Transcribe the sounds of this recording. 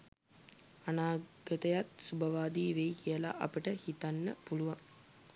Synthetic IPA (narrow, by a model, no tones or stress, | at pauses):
ɐnaːɡɐt̪ɐjat̪subʱɐʋaːd̪iːʋejkijəla̰ʔɐpəʈəhit̪anːəpuluʋaŋ